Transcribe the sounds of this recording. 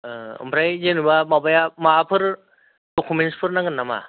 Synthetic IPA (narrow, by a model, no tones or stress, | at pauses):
ɯ̰mpʰɾajzenubamabajamapʰɯɾ | d̥okʰumenspʰɯɾnaŋɡɯnːama̰